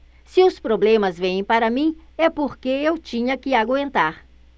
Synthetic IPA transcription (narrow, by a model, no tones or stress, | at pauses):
sɪʊspɾoblẽmɐzvẽjẽpaɾɐmĩɛpoɾkeewt͡ʃĩɲɐkɪaɡwẽnt̪aɾ